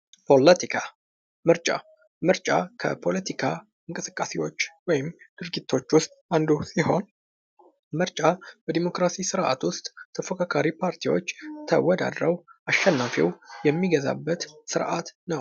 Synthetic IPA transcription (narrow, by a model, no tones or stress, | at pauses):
pʰo̞lət̪ʰikʰa | mɨɾt͡ʃʼa̰ | mɨɾt͡ʃʼakʰə̰pʰo̞lət̪ʰikʰa | ɨŋkʼɨsɨ̥kʼːasewo̞t͡ʃːwɔjɪmd̪̥ɨɾɡit̪ʰːo̞t͡ʃːwʊst̪ʼand̪usiho̞n | mɨɾt͡ʃʼabəd̪imo̞kɾasisɨɾʔa̰t̪wʊst̪ʼt̪ʰəfokʰakʰaɾipʰaɾt̪ʰiwo̞t͡ʃːt̪ʰə̰wɔd̪a̰d̪ɾəwʔaʃːɛnːafḭwjɛmːiɡəza̰bːət̪sɨɾʔat̪nəw